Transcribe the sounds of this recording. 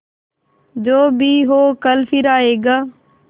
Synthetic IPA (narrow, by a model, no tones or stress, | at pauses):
d͡ʒoːbʱiːɦoːkəlfiɾaːeːɡaː